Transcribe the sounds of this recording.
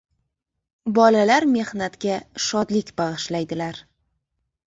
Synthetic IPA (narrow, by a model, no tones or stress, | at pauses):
bɒlalaɾme̞hnat̪kʲaʃɒd̪lɪkʲbɑʁɨʃlajd̪ɪlaɾ